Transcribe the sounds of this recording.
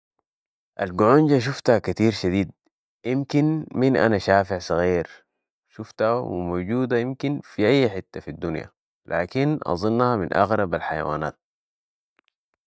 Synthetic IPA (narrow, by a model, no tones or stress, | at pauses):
ʔalɡuʕund͡ʒaʃ̬uft̪hakat̪iːɾʃad̪iːd̪̚ | jimkinminʔa̰naʃaːfiʕsˤɨɣiːɾ | ʃuft̪awḭmoːɟuːd̪ajimkinfiʔajːaħɪt̪ːafid̪ːunja̰ | lʔa̰ːkinʔɑ̰zˤɨnːhaminʔɑ̰ɣɾˤɑbalħaja̰wa̰ːna̰ːt̪̚